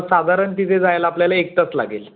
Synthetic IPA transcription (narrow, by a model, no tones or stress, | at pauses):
sad̪ʱaɾəɳt̪it̪ʰed͡zajlaapljalaek̚ʈ̪ət͡sla̰ɡḛl